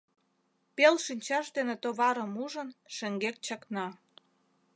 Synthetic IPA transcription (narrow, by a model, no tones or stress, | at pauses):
pelʃinʲt͡ɕɑʃd̪enet̪oβɑɾəmuʒənʃĕŋɡek̚t͡ɕɑknɑ